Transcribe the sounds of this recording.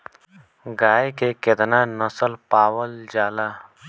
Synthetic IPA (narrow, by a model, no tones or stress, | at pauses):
ɡaːjkeked̪naːnɐsəlpaːwəld͡ʒaːla